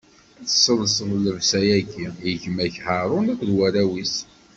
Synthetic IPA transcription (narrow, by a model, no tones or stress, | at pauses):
æθə̥sːəlsəðˤləvsæjæɡiəʝəmæçhaɾˤʊnækʷðwæɾæwis